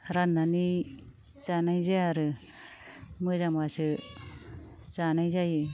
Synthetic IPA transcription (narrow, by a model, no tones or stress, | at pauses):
ɾanːani | z̥anajzaaɾɯ | mɯzaŋmbasɯ | z̥anajzajɯ